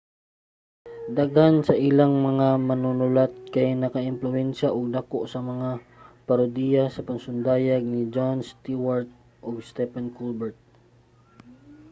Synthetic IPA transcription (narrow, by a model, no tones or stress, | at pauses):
d̪aɡansɐʔɪlaŋmɐŋamɐnunʊlat̪̚kɐjnɐkɐʔɪmplʊʔɛnʃaʔoɡ̚d̪ɐkoʔsɐmɐŋa | pɐɾʊd̪ijasɐpɐŋsʊnd̪aːjɐɡ̚nid͡ʒonst̪iwaɹt̪̚ | ʔoɡst̪ɛpankulbɛɹt̪̚